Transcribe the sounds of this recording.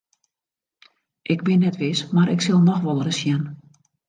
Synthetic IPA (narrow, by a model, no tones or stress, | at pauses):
ʔɪɡbɪnːɛtʋɪsmaɾʔɪksɪlˠnɔxʋɔlˠərəsjɛn